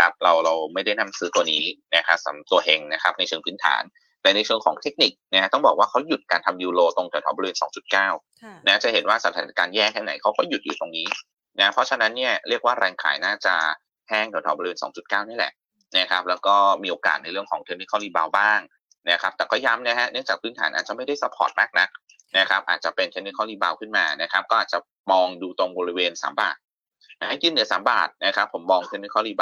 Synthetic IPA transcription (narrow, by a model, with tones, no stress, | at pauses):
kʰa˦˥p̚ɾa˧wɾa˧wma˥˩jda˥˩jna˦˥msɯː˦˥t̪u˧əniː˦˥na˦˥kʰa˦˥sa̰˩˦m˩t̪u˧˩əhe˧ŋna˦˥kʰa˦˥p̚na˧jt͡ɕʰɯ˧ŋpʰɯː˦˥nt̪ʰa̰ː˩˦n | t̪ɛ˨˧˦na˧jt͡ɕʰɯ˧əŋkʰɔ̰ː˩˦ŋt̪ʰe˦˥k̚ni˨˩k̚na˦˥t̪ɔ˥˩bɔː˨˩k̚waː˥˩kʰa˦˥wju˨˩t̪̚kaː˧nt̪ʰa˧mjuː˧loː˧t̪o˧ŋt̪ʰɛ˨˩˦t̪ʰɔ˨˦bɔ˧wiː˧nsɔ̰ː˩˦ŋt͡ɕu˨˩t̪̚kaː˥˩w | naː˦˥t͡ɕa˨˩he˨˩˦nwaː˥˩sa˧˦t̪ʰaː˨˧˦na˧˦kaː˧njɛː˥˩kʰɛː˧˥˩na̰˩˦jkʰa˦˥wkɔː˥˩ju˨˩juː˨˩t̪o˧ŋniː˦˥ | na˦˥pʰɔ˦˥t͡ɕʰa˧na˦˥nːi˥˩ɐɾi˥˩ək̚waː˥˩ɾɛː˧ŋkʰa̰ː˨˩˦jnaː˥˩t͡ɕa̰˨˩ | hɛː˥˩ŋʰ˨˩˦t̪ʰaː˨˦bɔ˧i˧weː˧nsɔ̰ː˩˦ŋt͡ɕu˨˩t̪̚kaː˥˩wni˦˥˩lɛ̰˨˩ʔ | na˦˥kʰa˦˥p̚lɛː˦˥wkɔː˥˩miː˧ʔoː˧ka̰ː˨˩t̪̚na˧jɾɯ˥˩əŋkʰɔː˩˦ŋt̪ʰe˧˥ni˦˥kʰɔː˥˩liː˧˩baː˧wbaː˥˩ŋ | na˦˥kʰɾa˦˥p̚t̪ɛː˨˩kɔː˥˩ja˦˥mna˦˥ɦɛ˦˥nɯ˥˩ŋt͡ɕaː˨˩pʰɯː˦˥˩nt̪ʰaː˩˦nʔaː˨˩t͡ɕa˨˩ma˥˩jda˥˩jsa˦˥pʰɔ̰ː˨˩t̪̚maː˥˩k̚na˦˥k̚ | na˦˥kʰa˦˥p̚ʔa̰ː˨˩t̪̚t͡ɕa̰˨˩pe˧nt̪ʰe˦˥ni˦˥kʰɔː˥˩liː˧˩baː˧wkʰɯ˥˩nmaː˧na˦˥kʰa˦˥p̚kɔː˥˩ʔaː˨˩t̚t͡ɕa˨˩ | mɔː˧ŋduː˧t̪o˧ŋbɔː˧ɾi˧weː˧nsa̰ː˩˦mba̰ː˨˩t̪̚ | jkiː˧˥˩nɯ˨˦saː˩˦mba̰ː˨˩t̪̚na˦˥kʰa˦˥pʰːo˩˦mːɔː˧ŋt̪ʰe˧˥ni˦˥kʰɔː˥˩liː˧ba˧